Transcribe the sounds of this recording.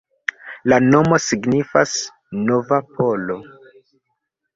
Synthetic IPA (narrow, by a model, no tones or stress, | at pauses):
lano̞mo̞siɡnifas | no̞vapʰo̞lo̞